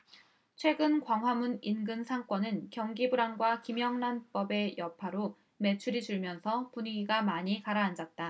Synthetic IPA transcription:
t͡ɕʰwe̞ɡɯnkwaŋɦwamuninɡɯnsʰaŋk͈ʌnɯnkjʌŋɡibuɾaŋɡwakimjʌŋnanp͈ʌbe̞jʌpʰaɾo | me̞t͡ɕʰuɾid͡ʑuɭmjʌnsʰʌpuɲiɡiɡamaɲikaɾaːnd͡ʑat̚t͈a

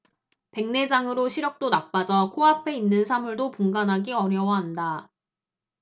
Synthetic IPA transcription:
pe̞ŋne̞d͡ʑaŋɯɾoɕʰiɾjʌk̚t͈onak̚p͈ad͡ʑʌkʰoɦapʰe̞inːɯnsʰamuɭdopuŋɡanɦaɡiʌɾjʌwʌɦanda

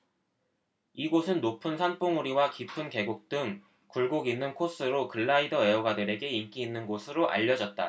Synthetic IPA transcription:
iɡosʰɯnːopʰɯnsʰanp͈oŋuɾiwakipʰɯnke̞ɡuk̚t͈ɯŋ | kuɭɡoɡinːɯnkʰos͈ɯɾokɯɭːaidʌe̞oɡadɯɾe̞ɡe̞iɭk͈iːnːɯnɡosʰɯɾoʔa̰ʎːʌd͡ʑʌt̚t͈a̰

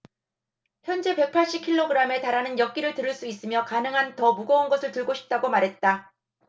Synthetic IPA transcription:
çjʌnd͡ʑe̞pe̞k̚pʰaɭɕ͈ip̚kʰiɭːoɡɯɾame̞taɾanɯnjʌk̚k͈iɾɯɭtɯɾɯɭs͈uis͈ɯmjʌkanɯŋɦantʌmuɡʌunɡʌsʰɯɭtɯɭɡoɕʰi̥p̚t͈aɡomaɾɦe̞t̚t͈a

